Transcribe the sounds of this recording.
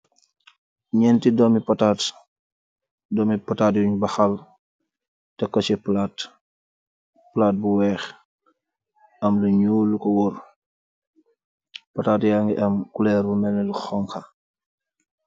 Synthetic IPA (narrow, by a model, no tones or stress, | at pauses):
ɲɛntidɔmipɐtaːt | dɔmipɐtaːtjuɲbɐxal | tɛkːɔsiplaːt | plaːt̚buwɛːx | ɐmluɲulukɔwɔr | pɐtaːtjaŋɡiʔɐmkulɛːɾbumɛnɛluxɔŋka